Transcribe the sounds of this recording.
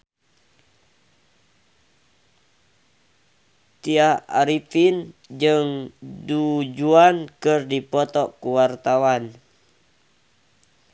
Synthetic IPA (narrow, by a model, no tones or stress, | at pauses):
t̪iahaɾipind͡ʒɨŋdud͡ʒuankɨrdipɔt̪ɔʔkuwart̪awan